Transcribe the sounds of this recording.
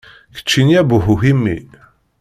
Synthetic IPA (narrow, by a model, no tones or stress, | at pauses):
kə̥t͡ʃːiniæbuɦuɦimːi